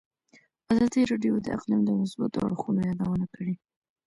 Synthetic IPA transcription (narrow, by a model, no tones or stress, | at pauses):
azɑd̪iɾɑɖjod̪ə̰ʔa̰qlimd̪əmʊsba̰t̪o̰a̰ɽxunojɑd̪awənakʰəɽi